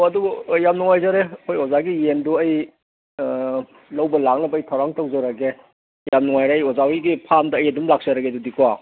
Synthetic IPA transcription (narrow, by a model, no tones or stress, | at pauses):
oɐdubjamnuŋajzaɾeɐkʰojozaɡijenduɐj | lɐwbɐlak̚nɐbːjtʰawɾaŋtɐwzɐɾɐɡe | jamnuŋajɾeːjozawiɡipʰamdɐːjɐdumlak̚sɐɾɐɡedudikuwa